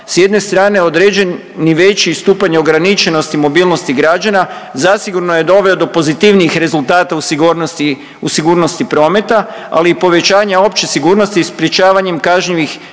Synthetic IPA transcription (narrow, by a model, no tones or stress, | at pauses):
sje̞d̪ne̞st̪ɾaːne̞o̞d̪ɾed͡ʑe̞ | niʋe̞t͡ʃist̪uːpaɲeo̞ɡɾanit͡ʃe̞no̞st̪imo̞bilˠno̞st̪iɡɾad͡ʒanazasiɡuɾno̞je̞d̪o̞ʋe̞o̞d̪o̞po̞zit̪iʋniixɾe̞zulˠt̪aːt̪ausɡosi | usiɡuːɾno̞st̪ipɾo̞ːme̞t̪a | a̰liːpo̞ʋe̞t͡ʃaːɲao̞pt͡ʃesiɡuːɾno̞st̪ispɾje̞t͡ʃaːʋaɲe̞mkaʒɲiʋix